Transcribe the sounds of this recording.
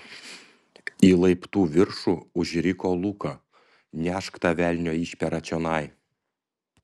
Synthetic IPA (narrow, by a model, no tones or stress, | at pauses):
iːlˠɐɪpt̪uːʋʲɪɾʃuːʊʒʲɾʲɪkoːlˠuːkɐ | nʲæːʃkt̪ɐʋʲælʲnʲoːiːʃʲpʲɛɾɐt͡ʃʲɔnɐɪ